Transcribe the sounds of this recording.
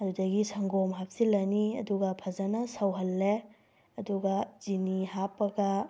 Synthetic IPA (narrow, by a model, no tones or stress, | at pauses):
ɐdudɐɡisɐŋɡomɦap̚silɐniɐ̰duɡɐpʰɐzanɐsɐwɦɐlːe | ɐduɡɐz̥inihapːɐɡɐ